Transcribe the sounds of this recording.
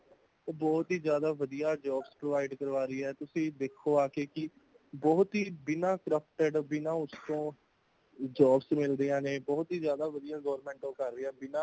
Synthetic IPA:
bɔːt̪ɦiːzjaːd̪aːʋəd̪ijaːd͡ʒɔːbspɾoːʋaːɪɖkəɾʋaːɾəiːɛːt̪ʊsĩːd̪eːkʰːoːaːkeːkɪ | bɔːt̪ɦiːbɪnãːkɾəpʰʈəɖbɪnãːʊst̪õː | d͡ʒɔːbsmɪld̪iãːneːbɔːt̪ɦiːzjaːd̪aːʋəd̪ijãːɡɔːɾmɛ̃ːɳʈõːkəɾːeːãːbɪnãː

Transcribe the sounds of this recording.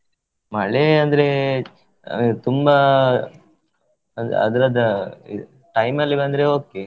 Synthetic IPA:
mɐɭeɐnd̪ɐɾe | t̪umba | nɐ̰d̪ɐɾɐd̪ɐi | ʈɐjmɐlːibɐnd̪ɐɾeoːke

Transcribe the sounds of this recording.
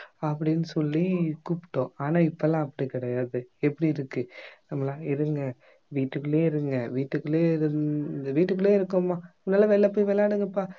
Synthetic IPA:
ɐpːɐɽɪnːɯsɔlːikuːpːɪ̥ʈːõːaːnãːɪpːɐlãːɐpːɐɽikɪɽɐjaːðɯɛpːɐɽiɪɾɯkːɯnɐmːɐlãːɪɾɯŋɡɐ | ʋiːʈːɯkːɯleːɪɾɯŋɡɐʋiːʈːɯkːɯleːɪɾɯnd̪ɐʋiːʈːɯkːɯɭeːɪɾɯkːɯmːaːnaːlɐʋɛlːɐpoːjʋɛlːaːɽɯŋɡɐpːaː

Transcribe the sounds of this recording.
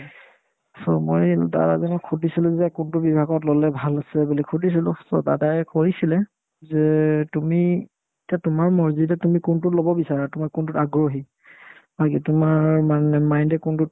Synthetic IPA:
sɔ̰mo̰jda̰ɹa̰zɔnɔkʰudʱisilʊzɛkuntʊbibʱaɡɔtlɔlɛbʱalasɛbulikʰudʱisilʊsɔ̰da̰dajkoɹisilɛ | zɛtumi | etiatʊmaɹmɔɹzitɛtumikuntʊlɔbɔbisaɹatumakuntʊtaɡɹoɦi | b̥akitʊmaɹmanɛmajndɛkuntʊt̚

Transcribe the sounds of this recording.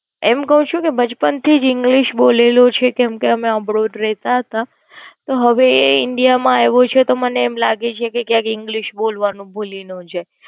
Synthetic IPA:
ɛmkəɦũt͡ʃʰũkebəd͡ʒpənt̪ʰid͡ʒɪŋɡliʃbolelot͡ʃʰekɛmkeəmeəbɾoɖɾɛɦt̪aɦət̪a | t̪oɦəʋeɪɳɖijamãeʋot͡ʃʰet̪oməneːmlaɡet͡ʃʰekekjãkɪŋɡliʃbolʋanũbʱulinũd͡ʒʰe

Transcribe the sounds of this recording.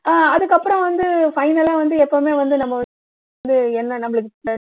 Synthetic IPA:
ʔaːɐðɯkːɐpːɯɾɔ̃ʋɐnd̪ɯfɐɪnɐlaːʋɐnd̪ɯɛpːoːmeːʋɐnd̪ɯnɐmːɐɐ | d̪ɯɛnːɐnɐmːɐɭɯkːɯkːɽaː

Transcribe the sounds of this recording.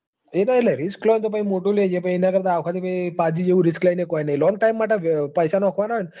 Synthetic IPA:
enaeʈlaɾisklɔnt̪op̬aimoʈuled͡ʒepaienakəɾt̪aːʋkʰat̪ipaipad͡ʑid͡ʒeʋũɾisklajnekɔinailɔŋɡ̚ʈaimːaʈəʋpəjsanɔkʰʋanaen

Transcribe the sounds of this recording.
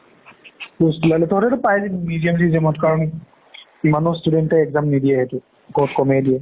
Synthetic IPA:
postulalɛtɔɦɔtɛtʊpajmidijamsizemɔtkaɹɔn | imanɔstudɛntɛɛkzamnidijɛɦetʊ | bɔutkɔmediɛ

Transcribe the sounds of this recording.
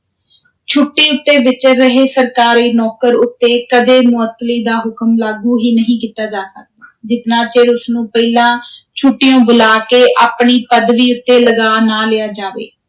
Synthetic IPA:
t͡ʃʰʊʈːiːʊt̪ːeːʋɪt͡ʃɾəɦeːsəɾkaːɾeːnɔːkəɾʊt̪ːeːkəd̪eːmʊət̪ːliːd̪aːɦʊkəmlaːɡuːɦiːnəɦĩːkiːt̪aːd͡ʒaːsək̚d̪aːd͡ʒɪt̪nãːt͡ʃeːɽʊsnũːpəilãːt͡ʃʰʊʈːɪjõːbʊlaːkeːʔaːpɳiːpəd̪ʋiːʊt̪ːeːləɡaːnaːlɪjaːd͡ʒaːʋḛː

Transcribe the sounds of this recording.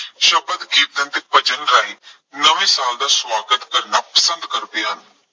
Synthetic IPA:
ʃəbəd̪ɡiːt̪̚t̪ənd̪eːpəd͡ʒənɾaːiː | nəʋĩːsaːld̪aːswaːɡət̪kəɾnaːpəsənd̪kəɾbeːɦən

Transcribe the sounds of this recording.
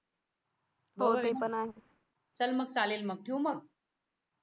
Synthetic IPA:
moipənaɦe | t͡səlməɡ̚t͡salelməɡ̚ʈʰijoməɡ̚

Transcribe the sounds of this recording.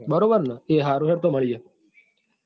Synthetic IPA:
bəɾobəɾnəeɦaːɾuɦeɽt̪oməɭije

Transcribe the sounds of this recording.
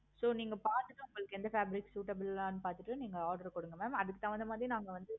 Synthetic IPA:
soːniːŋɡɐpaːɾt̪ɯʈːɯʊŋɡɐɭɯkːɛnd̪ɐfaːbɪɾɪksuːʈɐbɪllãːnɯpaːɾt̪ɯʈːɯniːŋɡɐaːɾɖɐɾkɔɽɯŋɡɐmeːmɐðɯkːɯt̪ãːʋɐnd̪ɐmaːðɾinaːŋɡɐʋɐnd̪ɯ

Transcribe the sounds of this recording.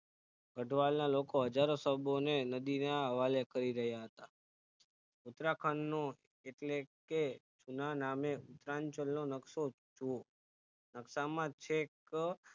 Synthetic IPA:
ɡəʈʋalnalokoɦəd͡ʒaɾosəbonenəd̪inaəʋalekəɾiɾəɦjaɦət̪a | ʊt̪ɾakʰənːo | eʈleket͡ʃunanameʊt̪ɾaɲt͡ʃəlnonəkso | t͡ʃu | nəksamãt͡ʃʰek

